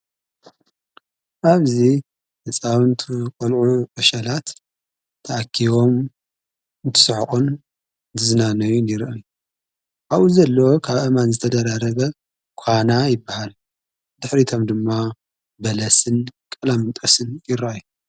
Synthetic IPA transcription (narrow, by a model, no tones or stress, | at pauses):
ʔaβzi | nɨt͡sʼawɨnt̪ʰukʼɐlʕuʔɨʃɐlat̪ʰː | ɐʔakʰːiβo̞m | nt̪ʰɨ̥sɨħχʼun | d̪ɨznanɐjuniɾʔɐju | ʔaβuzɐlːɐwokʰaβɐmanzɨt̪ʰɐd̪ɐɾaɾɐβɐ | kʷʰanajɪbːahal | d̪̥ɨħɾit̪ʰo̞md̪ɨmːa | bɐlɐsɨnkʼɐlamɨnt̪ʼosɨnjɪɾaaju